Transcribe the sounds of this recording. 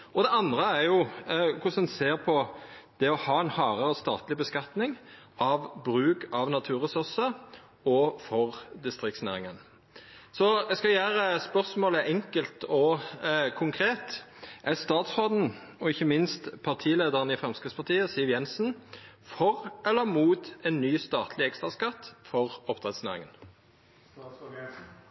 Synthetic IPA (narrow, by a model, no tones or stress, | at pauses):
ɔd̪ɛɑnd̪ʁəæʁjʊkʰʊsɛnseːʁpʰɔd̪̥ɛɔhɑːɛnhɑːʁəɾəst̪ɑ̰ːt̪lɪbəskɑt̪nɪŋ | ɑʋbɾʉːkɑʋnɑt̪ʰʉːʁɛsʉɾsə | ɔfɔʁd̪ɪst̪ɾɪkt̪snæ̰ːɾɪŋən | sɔɛskɑjæːɾəspœʁsmoːləʔɛŋkəlt̪ʰɔkʰʊŋkʰʁeːt̪ | ʔæst̪ɑːt̪sʁoːd̪n̩ɔɪçəmɪnst̪pʰɑʁt̪ʰiːleːd̪əʁənɪfʁɛmskʁɪt̪spɑʁt̪ʰiːəsɪʋjɛnsn̩ | fɔʁɛlːəmuːt̪ɛnːyːst̪ɑːt̪ʰlɪɛkst̪ʁɑskɑt̪ːfɔʁɔpt̪ʁɛt̪snæːʁɪ̰ŋən